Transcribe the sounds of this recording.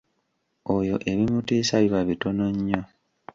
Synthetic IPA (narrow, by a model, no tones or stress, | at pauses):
ojo̞ʔe̞βimutiːsaβiβaβitonoɲːo